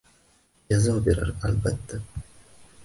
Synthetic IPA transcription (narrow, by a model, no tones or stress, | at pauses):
jazawbeɾa̰ɾalbat̪ːa